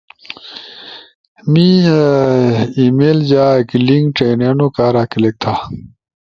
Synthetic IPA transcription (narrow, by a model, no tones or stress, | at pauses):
mi | iːmeːld͡ʑaːkiliŋɡʈeːneːnokaːɾaːkilek̚t̪ʰa